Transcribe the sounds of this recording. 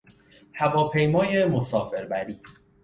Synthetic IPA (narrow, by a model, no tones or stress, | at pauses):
hævɒːpʰe̞jmɒːje̞mo̞sɒːfe̞ɾbæɾiː